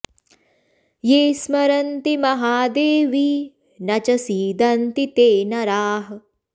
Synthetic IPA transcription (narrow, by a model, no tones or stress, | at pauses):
jeːsmɐɾɐnt̪imɐɦaːd̪eːʋi | nɐt͡ʃɐsiːd̪ɐnt̪it̪eːnɐɾaːɦɐ